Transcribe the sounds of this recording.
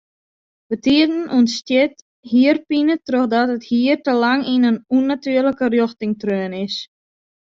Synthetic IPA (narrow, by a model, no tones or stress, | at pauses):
ʋətiədən̩ʔɔnstjɪt | hiərpinətroxdɔtəthiərtəlaŋinənunatyərləkərjɔxtɪŋtrøənɪs